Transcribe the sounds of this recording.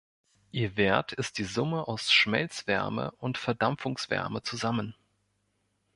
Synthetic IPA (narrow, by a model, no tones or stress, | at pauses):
ʔiːɐveɐtʰɪst̚d̥iːzʊməʔaʊsʃmɛlt͡sv̥ɛ̰ɐmə̰ʊntfɛɐdamfʊŋsv̥ɛ̰ɐmət͡suzamən